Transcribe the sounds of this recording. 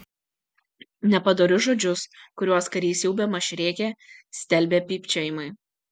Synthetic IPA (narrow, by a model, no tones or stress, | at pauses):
nʲɛpɐd̪oːɾʲʊʒɔːd͡ʒʲʊskʊɾʲuɔskɐɾʲiːsʲjɛʊbʲɛːmɐʃʲɾʲeːkʲeːsʲt̪ʲɛlʲbʲeːpʲiːpʲt͡ʃʲoːjɪmɐɪ